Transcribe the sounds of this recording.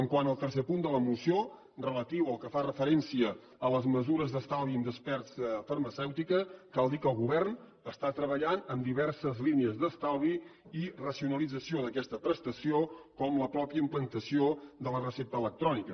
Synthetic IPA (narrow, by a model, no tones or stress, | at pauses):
əŋkwanəlˠt̪ərs̬epund̪ələmusjo | rələt̪iwəlˠkəfarəfəɾɛnsiəː | ləzməzuɾəzðəst̪alˠðind̪əspɛrsfərməsɛwt̪ikəkalˠd̪ikəlˠɣuβɛrn | əst̪at̪ɾəβəʎanəmd̪iβɛrsəzliniəzd̪əst̪alˠðiirəsiunəlid͡zəsioðəkɛst̪əpɾəst̪əsiokɔmləpɾɔpjəimplənt̪əsiod̪ələrəsep̚t̪ələk̚t̪ɾɔnikə